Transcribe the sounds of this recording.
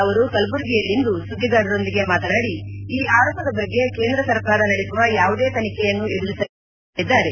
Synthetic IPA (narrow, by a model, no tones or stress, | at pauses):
ɐʋɐɾukɐlbuɾɡijɐlːind̪usud̪ʱːiɡaːɽɐɾo̞nd̪iɡe̞maːt̪ɐnaːɽiiːʔaːɾɔːpɐd̪ɐbɐɡːe̞ke̞ːnd̪ɾɐsɐɾkaːɾɐnɐɽisuʋɐjaːʋud̪e̞ːt̪ɐnikɛjɐnːued̪ulisɐ | id̪ːaːɾe